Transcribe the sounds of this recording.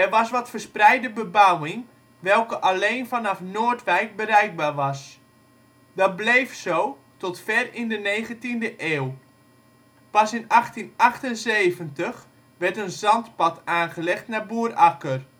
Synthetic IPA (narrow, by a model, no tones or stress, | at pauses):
ɛrʋɑsʋɔtfərsprɛjdəbəbawɪŋ | ʋɛlˠkəʔaleːnfanɑfnoːərtʋɛjk̚bərɛjk̚barʋɑs | dɔt̚blejfsoː | tɔtfɛrɪndəneːɣəntindəʔeːl | pɑsɪnɑχtinɑxtənzeːvəntəx | ʋɛrtənzɑntpɔtʰaːnχəlɛχtnabuərakər